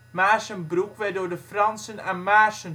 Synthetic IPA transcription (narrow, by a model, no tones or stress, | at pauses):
maːsənbrukʋɛdoːɹdəfrɑnsənanmaːsən